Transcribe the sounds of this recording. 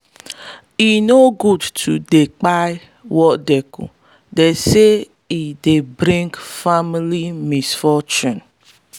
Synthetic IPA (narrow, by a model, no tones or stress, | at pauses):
inoɡudtʰudek͡paɪ | wɔdekṵ | dese | idebɾĩŋkfamilimisfɔt͡ʃũn